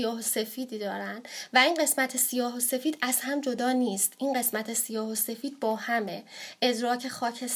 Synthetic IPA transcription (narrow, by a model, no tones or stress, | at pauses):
jɒːhose̞fiːd̪iːd̪ɒːɾænd̪væinɢe̞smæt̪ʰe̞sijɒːɦose̞fiːd̪æzhæmd͡ʒo̞d̪ɒːniːst̪ʔinɢe̞smæt̪ʰesijɒːhose̞fiːd̪̥̚bɒːhæme̞ʔe̞zɾɒːcʰe̞xɒːcʰes